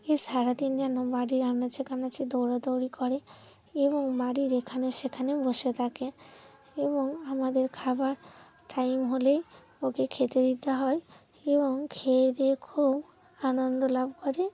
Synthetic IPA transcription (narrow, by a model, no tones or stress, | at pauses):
eʃaɾad̪ind͡ʑanobaɽiɾanat͡ɕʰekʰanat͡ʃʰed̪oɾot̪owɽikɔɾe | eboŋbaɽiɾekʰaneʃekʰaneboʃet̪ʰake | eboŋamad̪eɾkʰabaɾ | ʈajmɦole | okekʰet̪ed̪it̪aɦɔe | eboŋkʰeɾekʰub | anond̪olabkɔɾe